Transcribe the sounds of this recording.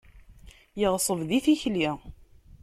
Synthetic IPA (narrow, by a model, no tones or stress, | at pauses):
jəʁsˤəvðiθiçli